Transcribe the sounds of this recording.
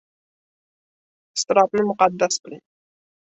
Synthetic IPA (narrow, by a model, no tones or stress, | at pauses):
ɪ̥st̪ɪɾɑt̪nɪmʊqɑd̪ːasbɪlɪn